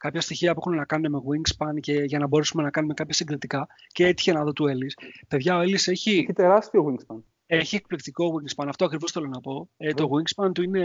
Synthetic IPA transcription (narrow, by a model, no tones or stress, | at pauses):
kɐpçɐst̪içiɐpuexume̞nɐkɐnumeme̞ɣwiŋɡspɐnce̞ʝɐnɐbo̞ɾesume̞nɐkɐnume̞kɐpçɐsiŋɡɾit̪ikɐ | ceet̪i̥çe̞nɐðo̞t̪ue̞lispe̞ðʝɐo̞e̞lise̞çiçit̪e̞ɾɐst̪ioɣwiŋɡspɐn | e̞çie̞k̚plikt̪iko̞ɣwiŋɡspɐnɐft̪oɐkɾivo̞sθe̞lo̞nɐpo̞et̪o̞ɣwiŋɡspɐnt̪uine̞